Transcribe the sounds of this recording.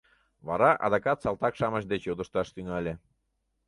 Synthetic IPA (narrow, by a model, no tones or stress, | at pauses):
βɑɾɑʔɑ̰d̪ɑkɑt̪sɑlˠt̪ɑkʃɑməʃd̪et͡ɕjod̪ə̆ʃt̪ɑʃt̪yŋɑlʲe